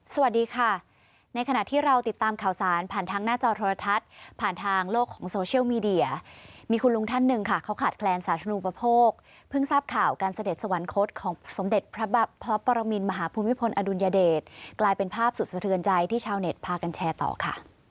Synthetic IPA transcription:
sa˧wa˨˩t̪̚diː˧kʰa˥˩ | na˧jkʰa˧na˨˩t̪ʰiː˥˩ɾa˧wt̪i˨˩t̪ːaː˧mkʰaː˨˩wsaː˩˦npʰaː˨˩nt̪ʰaː˧ŋnaː˥˩t͡ɕɔː˧t̪ʰoː˧ɾa˧t̪ʰa˦˥t̪̚pʰaː˨˩nt̪ʰaː˧ŋloː˥˩kʰːɔː˩˦ŋsoː˧t͡ɕʰi˥əwmiː˧di˧˩ɐmiː˧kʰu˧nlu˧ŋt̪ʰa˥˩nːɯ˧ŋkʰa˥˩kʰa˦˥wkʰaː˨˩t̪̚kʰlɛː˧nsaː˨˩˦t̪ʰɾa˧u˧˨˧pːa˧pʰoː˥˩k̚ | pʰɯ˥˩ŋsaː˥˩p̚kʰaː˨˩wkaː˧nsa˧de˨˩t̪̚sa˧wa˩˦nkʰo˦˥t̪̚kʰɔː˩˦ŋso˩˦mde˨˩t̪̚pʰɾa˦˥bpʰɾɔ˦˥pɔː˧ɾa˧mi˧nma˧ɦaː˩˦pʰuː˧mi˦˥pʰo˧nʔa˧du˧njaː˧deː˨˩t̪̚klaː˧jpe˧npʰaː˥˩p̚su˨˩sa˧t̪ʰɯ˧ənt͡ɕa˧jt̪ʰiː˥˩t͡ɕʰaː˧wne˨˩t̪̚pʰaː˧ka˧nt͡ɕʰɛː˧t̪ɔ̰ː˨˩kʰa̰˥˩

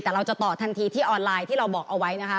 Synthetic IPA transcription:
t̪ɛː˨˩ɾa˧wt͡ɕa˨˩t̪ɔː˨˩t̪ʰa˧nt̪ʰiː˧t̪ʰiː˥˩ʔɔː˧nlaː˧jt̪ʰiː˥˩ɾa˧wbɔː˨˩kʔa˧wa˦˥jna˦˥kʰa˦˥

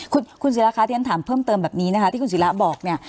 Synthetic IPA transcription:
kʰu˧nkʰu˧ns̬i˩˦la˦˥kʰa˧t̪i˧˦nt̪ʰaː˩˦mpʰɤː˥˩mt̪ɤː˧mbɛː˨˩p̚niː˦˥na˥kʰa˦˥t̪iː˥˩ku˧s̬i˩˦la˦˥bɔː˨˩k̚ni˥˩ɐ

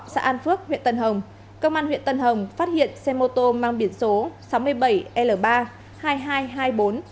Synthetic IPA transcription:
sa̰ː˧˥ʔaː˧nfɨ˦˥ək̚hwḭ˧˨ənt̪ə˨˩nɦə˨˩wŋ͡m | kə˧wŋ͡mʔaː˧nhwḭ˧˨ənt̪ə˧˩nɦə˨˩wŋ͡mfaː˦˥t̚hḭ˧˨ənsɛ˧mo˧t̪o˧maː˧ŋɓi˨˩ənso˨˦sa˨˦wmɨ˧əjɓə˧˩jʔɛ˧ləː˧˩ɓaː˧ | haː˧jɦaː˧jɦaː˧jɓo˨˦n

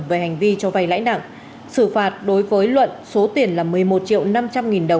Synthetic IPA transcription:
ve˨˩ha˨˩jŋ̟vi˧t͡ɕɔ˧va˨˩jla̰ː˧˥jna̰ː˧˨ŋ | sɨ˧˩faː˨˩t̚ɗo˨˦jvəː˨˦jlwə̰˧˨nso˨˦t̪i˨˩ənlaː˨˩mɨ˨˩əjmo˨˩t̚t͡ɕḭ˧˨ə˨wna˧mt͡ɕa˧mŋi˨˩nɗə˨˩w

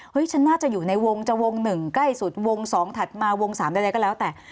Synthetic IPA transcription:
hɤ˦˥jt͡ɕʰa˦˥nːaː˥˩t͡ɕa˨˩juː˨˩na˧jwo˧ŋt͡ɕa˨˩wo˧ŋnɯ˨˩ŋkla˥˩jsu˨˩t̪̚wo˧ŋsɔː˩˦ŋt̪ʰa˨˩t̪̚maː˧wo˧ŋsaː˩˦mda˧jda˧jkɔː˥˩lɛː˦˥wt̪ɛː˨˩

